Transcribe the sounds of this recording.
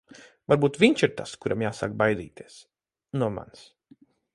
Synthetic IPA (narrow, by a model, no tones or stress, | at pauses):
vaɾbuːt̪vʲiɲt͡ʃiɾt̪askuɾʔamjaːsa̰k̚bajd̪ḭːt̪iɛs | nuɔma̰ns